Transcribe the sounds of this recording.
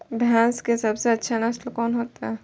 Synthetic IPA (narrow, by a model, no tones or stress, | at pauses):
bʱjãːnskesɐbseɐtːʃʰanasʈəkɔːnɦoːt̪aɦɛ